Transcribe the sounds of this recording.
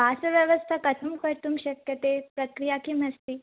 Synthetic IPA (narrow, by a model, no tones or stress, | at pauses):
basəʋjəʋəst̪ʰakət̪ʰəmkəɾt̪umɕəkjət̪epɾəkɾijakiːm̤əst̪iː